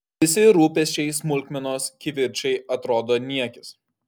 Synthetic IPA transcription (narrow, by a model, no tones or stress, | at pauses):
ʋʲɪsʲɪɾuːpʲɛsʲt͡ʃʲɛɪsmʊlʲkʲmʲɛnoːskʲɪʋʲɪɾʲt͡ʃʲɛɪɐt̪ɾoːd̪oːnʲiɛkʲɪs